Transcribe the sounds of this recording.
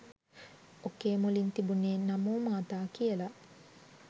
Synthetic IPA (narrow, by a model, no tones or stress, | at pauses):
okːeːmulint̪ibuneːnamoːmaːt̪aːkijəla